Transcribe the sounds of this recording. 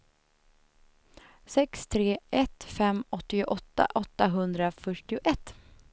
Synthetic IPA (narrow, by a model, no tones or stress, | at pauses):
sɛkst̪ʰɾeːʔɛt̪fɛmːɔt̪ːɪʊʔɔt̪ːa̰ʔɔt̪ːaɦɵnd̪ɾafœʈːɪʊʔɛt̪ː